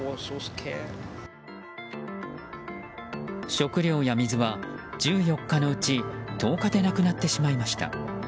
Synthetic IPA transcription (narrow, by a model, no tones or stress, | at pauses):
ɔsoskʰɛ̰ | ɕo̞kɯ̟ɾʲjo̞ːjamʲizɨβad͡ʑɨːjo̞kːano̞ɯ̟t͡ɕit̪o̞ːkad̪e̞nakɯ̟nat̪ːe̞ɕimaimaɕi̥t̪a̰